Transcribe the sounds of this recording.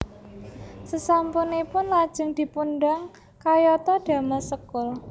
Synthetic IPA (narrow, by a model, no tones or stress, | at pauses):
səsampunipʊnlad̥ʒ̥ə̤ŋd̪̥i̤punɖaŋ | kajɔt̪ɔɖ̪̥a̤masəkʊl